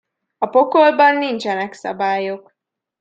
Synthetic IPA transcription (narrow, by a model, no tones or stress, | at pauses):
ɒpo̞kolbɒnːint͡ʃɛnɛksɒ̰baːjok